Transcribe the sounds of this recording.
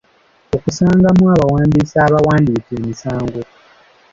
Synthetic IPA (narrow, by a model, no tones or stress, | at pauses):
o̞kusaːŋɡamwaβawaːndisaːβawaːndiːkeːmisaːŋɡo̞